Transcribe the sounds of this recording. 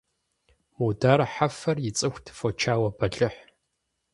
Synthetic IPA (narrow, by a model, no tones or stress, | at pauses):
mudaːɾħafɐrjɪt͡sʼɨxʷtʰfɔt͡ʃʰaːwɐbɐɮʼɨħ